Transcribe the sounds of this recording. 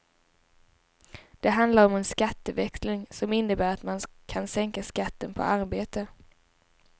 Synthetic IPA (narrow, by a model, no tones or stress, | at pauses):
d̪̥ɛɦand̪laɾɔmɛnskat̪ːəvɛkslɪŋsɔmɪnːəbæːɾat̪mankʰansɛŋkaskat̪ːənpʰɔ̰ʔaɾbeːt̪ə